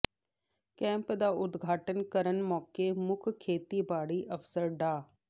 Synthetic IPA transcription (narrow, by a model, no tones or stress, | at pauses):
kɛ̃ːmpd̪aːʊd̪ɡʱaːʈənkəɾənmɔːkemʊkʰkʰːeːt̪ibaːɽiːʔəfsəɾɖaː